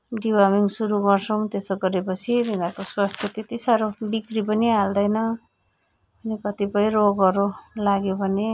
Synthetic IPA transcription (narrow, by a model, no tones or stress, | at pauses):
ɖibamiŋsuɾuɡʌrt͡sʰʌw̃t̪esʌɡʌɾepʌt͡sʰid̪ʱind̪akoswast̪ʰjʌt̪et̪isaɾobikripʌniald̪ʌjnʌ | ʌnikʌt̪ipʌjɾoɡʌɾolaɡjobʱʌne